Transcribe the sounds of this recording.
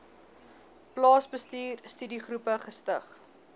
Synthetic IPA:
plɑːsbəstiːrstydiχrupəχəstəχ

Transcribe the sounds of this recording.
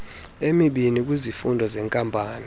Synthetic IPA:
emiɓinik̬ʼwizifundʱɔzɛŋkʼampʼaːni

